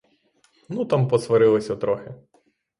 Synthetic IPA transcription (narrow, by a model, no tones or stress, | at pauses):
nut̪ampɔsʋɐɾɪlˠɪsʲɐt̪ɾɔxɪ